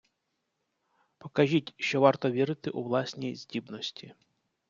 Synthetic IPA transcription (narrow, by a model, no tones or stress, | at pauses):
pɔkɐʒʲitʲʃt͡ʃɔʋɑrt̪ɔʋʲiɾɪt̪ɪʔuʋlˠɑsʲnʲijzʲdʲibnɔsʲtʲʰi